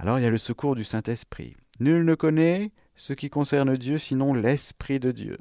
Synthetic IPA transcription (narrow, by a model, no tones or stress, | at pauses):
a̰lɔʁiljaləsəkuʁd̪ysɛ̃t̪ɛspχḭ | nylnəkɔnɛ | səkʲikɔ̃sɛʁnd̪jøsinɔ̃lɛspχid̪əd̪jø̰